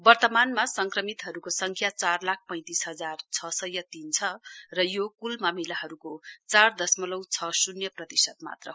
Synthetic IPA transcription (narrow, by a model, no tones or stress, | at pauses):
bʌrt̪ʌmanmasʌŋkrʌmit̪ɦʌɾukosʌŋkʰjat͡sarlak̚ʰpʌ̃j̃t̪isɦʌd͡zart͡sʰʌsʌjʌt̪int͡sʰʌrʌjokulmamilaɦʌɾukot͡sard̪ʌsmʌlʌwt͡sʰʌsunjʌprʌt̪isʌt̪ma̰t̪rʌ